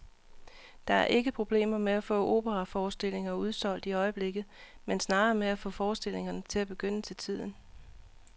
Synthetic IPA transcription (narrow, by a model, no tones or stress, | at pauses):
d̥ɑ̈æɐʔe̝ɡ̥əpʰʁo̝b̥le̝̰ːmɐmeæfɔ̰̽ːʔo̝̰ːb̥əʁɑfɒːsd̥e̝l̰e̝ŋɐuð̞ˠsɒ̽l̰d̥iɒ̽ɪəb̥le̝ɡ̥ð̩ˠmensnɑ̈ːɐmeæfɔ̰̽ːfɒːsd̥e̝l̰e̝ŋɐnət͡sʰe̝læb̥e̝ɡ̥øn̰ət͡sʰe̝lt͡sʰið̞̰ˠn̩